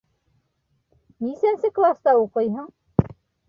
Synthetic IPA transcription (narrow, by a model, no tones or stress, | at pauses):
nisænsɘklˠɑst̪ɑuqɤ̆jɦɤɴ